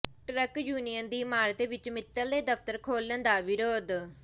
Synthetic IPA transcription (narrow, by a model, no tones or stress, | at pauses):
ʈɾəkjuːnijənd̪iːmaːɾt̪eːʋɪt͡ʃmɪt̪ːəld̪eːd̪əft̪əɾkʰoːlənd̪aːʋɪɾoːd̪